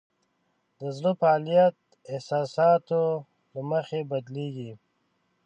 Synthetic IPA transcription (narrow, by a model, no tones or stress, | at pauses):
d̪əzlofaːlijat̪̚ | ehsɑːsɑːt̪o | laməxebɐd̪leːɡi